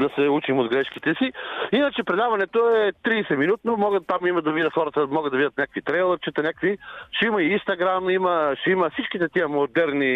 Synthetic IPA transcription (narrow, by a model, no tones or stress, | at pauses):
d̪ɐsɛut͡ʃimod̪ɡɾɛʃkit̪ɛsiinət͡ʃɛpɾɛd̪avɐnɛt̪oɛt̪ɾiːsɛminut̪nomɔɡət̪ːamimɐd̪ɐvid̪ʲət̪xɔɾət̪əmɔɡəd̪ɐvid̪ʲət̪nʲakvit̪ɾɛjlˠəɾt͡ʃɛt̪ɐnʲakkviʃɛimɐiinst̪ɐɡɾamiməʃɛimɐfsit͡ʃkit̪ɛt̪iəmod̪ɛɾni